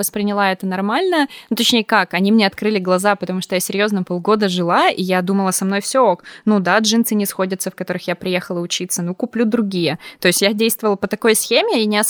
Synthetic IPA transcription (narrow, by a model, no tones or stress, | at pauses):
vəspɾʲɪnʲɪlˠaɛt̪ənɐrmalʲnənut̪ɐt͡ɕnʲejəkakɐnʲimnʲeɐt̪kɾɨlʲɪɡlˠɐzapət̪ɐmuʂt̪ojasʲɪɾʲjo̞znəpolˠɡo̞d̪əʐɨlˠaijad̪uməlˠəsɐmno̞jfsʲooknud̪adʐɨnt̪sɨnʲɪsxo̞dʲət̪səfkɐt̪o̞ɾɨxjapɾʲɪjexəlˠəʊt͡ɕit̪sənukʊplʲud̪ɾʊɡʲijət̪o̞jɪsʲtʲjadʲejst̪vəvlˠəpət̪ɐko̞jsxʲemʲɪinʲɪɐs